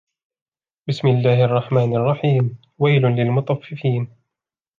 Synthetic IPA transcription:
bɪsmɪlːaːhʔɑrˤːɑħmaːnʔɑrˤːɑħiːm | wajlʊnlɪlmʊt̪ˤɑfːɪfiːn

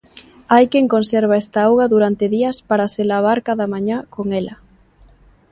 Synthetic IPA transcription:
ajkeŋkonsɛɾβ̞aɛst̪aawɣɐðuɾant̪ɪðiɐspaɾaselaβaɾkaðɐmaɲakoŋɛlɐ

